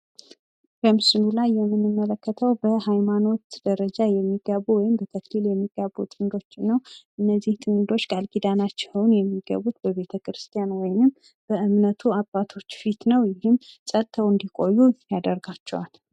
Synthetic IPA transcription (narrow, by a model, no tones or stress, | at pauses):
bəmɨsɨnulajːɛmːɨnːɨmːələkːət̪ʰəwbəhajmano̞t̪d̪̥əɾəd͡ʒajɛmːiɡəβuwɔjɪmbət̪ʰəkliljɛmːiɡ̥aβut̪ʼɨnd̪o̞t͡ʃːnːəwʔɨnːəzːiht̪ʰɨnd̪o̞t͡ʃːɡʼalɡid̪anat͡ʃːɛwnjɛmːiɡə̰βut̪bəβe̞t̪ʰəkɾɨst̪ʰʼijanwɔjnɨm | b̥əɨmnət̪ʰuabːat̪ʰo̞t͡ʃːfit̪nəwjɪhɨmsʼət̪ʰːəwɨnd̪ikʼo̞jːujad̪əɾɡat͡ʃːɛwal